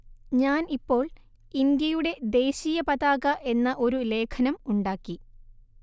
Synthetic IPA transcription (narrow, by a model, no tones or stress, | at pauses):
ɲaːnipːo̞ːɭ | ind̪jɐjuɽe̞d̪e̞ːɕijɐpɐðaːɣɐʔe̞nːɐʔo̞ɾule̞ːkʰɐnɐmuɳɖaːkːi